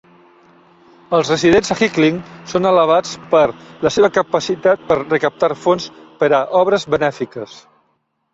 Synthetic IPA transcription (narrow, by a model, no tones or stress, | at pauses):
əlˠzrəziðenzəxikliŋsonələβ̞at͡spəɾləseβəkəpəsit̪at̪̚pəɾrəkəp̚t̪aɾfonspəɾəʔɔβɾəzβənɛfikəs